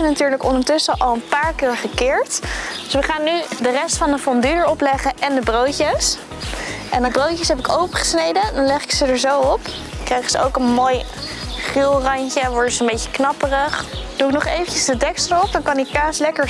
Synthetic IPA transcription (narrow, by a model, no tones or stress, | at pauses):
ənatyːɹləkɔndəɹtʏsəʔɑlˠənpaːɹkɪːɹχəkɪːɹtdøsʋəχaːnːydərɛstfɑnəfɔndyəɹɔplɛχəʔɛndəbrowcəs | ʔɛndəbrowcəsɦɛpɪkowpəχə̥snejdədɑnlɛχɪ̥ksədəɹzowɔp | krejχəzəo̰wkənmoːj | χɪlˠrɑɲcəʋɔɹtətsəmbejcə̥knɑpərəχd̥uɪknɔχejvəɲcəzdədɛkstəɹɔp̚dɑnkɑnikaːslɛkəɹ